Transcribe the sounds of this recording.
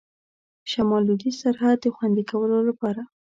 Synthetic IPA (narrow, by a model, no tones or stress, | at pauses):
ʃamɑlud̪isaɾhad̪̚ːəxwand̪ikawəlolapɑɾa